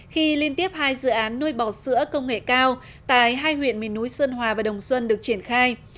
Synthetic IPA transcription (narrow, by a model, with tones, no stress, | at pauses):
xi˧li˧ənt̪i˦˥əp̚haː˧jzɨ̰˧˨ʔaː˨˦nːu˧jɓɔ˧˩sɨ̰˧˥əkə˧wŋ͡mŋḛ˧˨kaː˧w | t̪a̰ː˧˨jɦaː˧jhwḭ˧˨ənmḭ˨˩nːu˨˦jsə˧nhwaː˨˩vaː˨˩ɗə˨˩wŋ͡mswə˧nɗɨ˨˩ək̚t͡ɕi˧˩ənxaː˧j